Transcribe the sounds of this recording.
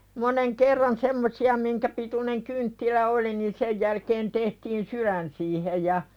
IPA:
moneŋ kerːɑn semːosiɑ miŋkæ pituneŋ kyntːilæ oli ni sej jælkeːn tehtiːn syɾæn siːhej jɑ

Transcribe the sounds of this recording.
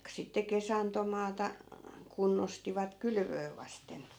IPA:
sitːe kesɑntomɑːtɑ kunːostiʋɑt kylʋøː ʋɑsten

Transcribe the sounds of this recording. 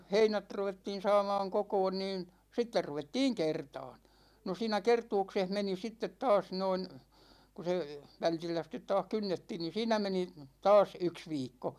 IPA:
heinæt ruʋetːiːn sɑːmɑːŋ kokoːn niːn sitːer ruʋetːiːŋ kertɑːn no siːnæ kertuːkseh meni sitːet tɑːs noin ku se ʋæltilːæ sitˑet̆ tɑːh kynːetːiːn niːn̞ siːnæ meni tɑːs yks ʋiːkːo

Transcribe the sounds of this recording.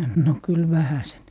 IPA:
no kyl ʋæhæsen

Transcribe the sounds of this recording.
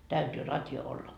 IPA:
tæytyː rɑtjo olːɑ

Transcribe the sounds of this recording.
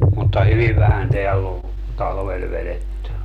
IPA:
mutːɑ hyʋiʋ ʋæhæn teælː oʋ tɑlʋel ʋeletːy

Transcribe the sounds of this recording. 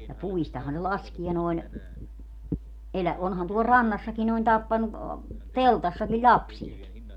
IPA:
jɑ puistɑhɑ ne lɑskie noi̯n elæ onhɑn tuol rɑnːɑsːɑki noin tɑpːɑnu teltɑsːɑki lʲɑpsieki

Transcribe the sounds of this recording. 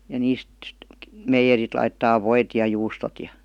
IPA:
jɑ niːst meijerit lɑitːɑː ʋoit jɑ juːstot jɑ

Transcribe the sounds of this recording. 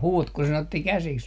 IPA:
huːt ku sen otːi kæsiks

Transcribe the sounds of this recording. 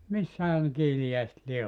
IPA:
misːæhæ nĕ kiːlijæiset lie

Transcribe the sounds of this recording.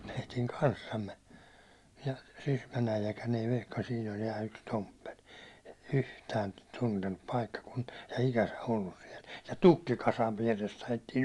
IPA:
meitiŋ kɑnsːɑmːe jɑ sysmæn æijækæn ei ʋehkɑ siːn ol jɑ yks tompːel yhtæːn tuntenːup pɑikːɑkunti̥ɑ̥ jɑ ikæsæ olːus siɛl jɑ tukːikɑsɑʋ ʋiærest ɑjetːiːn̞

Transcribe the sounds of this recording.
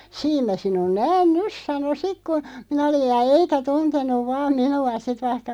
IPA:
siːm mæ sinun næːn nys sɑno sik ku minæ olij̆ jɑ eikæ tuntenˑuʋ ʋɑːm minuɑ sit ʋɑihkɑ

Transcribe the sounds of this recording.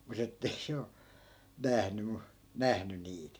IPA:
mut etːei se o næhny mu næhny niːt

